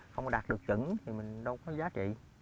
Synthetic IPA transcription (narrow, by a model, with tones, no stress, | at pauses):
xə˧wŋ͡mɗaː˨˩t̚ɗɨ˨˩ək̚t͡ɕɨ̰˧˦nt̪ʰi˨˩mï˨˩ŋ̟ɗə˧wkɔ˨˦zaː˨˦t͡ɕḭ˧˨